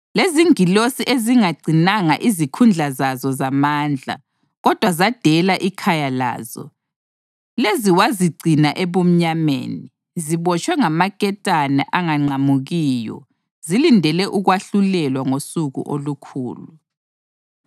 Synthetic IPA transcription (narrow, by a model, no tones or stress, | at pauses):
leziŋilosiʔeziŋaɡ͡ǀʱinaŋa̰ʔizikʰund͡ɮʱazazɔzamaːnd͡ɮʱa̰ | ɣɔd̥ʱwazad̥ʱɛlaʔikʰajala̰ːzɔ̰ | leziwaziɡ͡ǀʱinaʔɛβom̩ɲamḛːni | ziβɔt͡ʃʰʼwɛŋamakʼɛtʼanɛ̰ʔaŋaŋ͡ǀamuɣiːjɔ̰ | zilindʱɛlɛʔuɣwaɬulɛlwaŋosuɣṵʔolukʰṵːlu